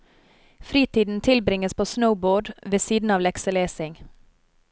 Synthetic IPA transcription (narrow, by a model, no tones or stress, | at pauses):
fɾiːt̪iːd̪n̩t̪ʰɪlbɾɪŋəspʰoːsnəʊboːɖʋeːsiːd̪n̩ɑːʋlɛksəleːsɪŋ